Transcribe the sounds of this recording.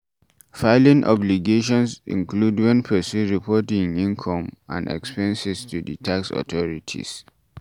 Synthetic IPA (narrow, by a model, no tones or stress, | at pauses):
faɪlĩnʔɔ̰bliɡeʃ̬ɔ̃nsḭ̃ŋkʰludwɛ̃npʰɛsuɹipʰɔtĩŋĩnkʰɔ̃mã̰ndɛ̰kspɛ̃nsɛstʰuditʰaksɔ̰tʰɔɹitʰḭs